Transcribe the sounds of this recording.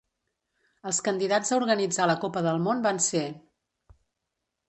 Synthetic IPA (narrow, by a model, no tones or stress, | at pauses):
əlˠskənd̪iðad͡zzəuɾɣənid͡zaləkopəðəlˠmonbanse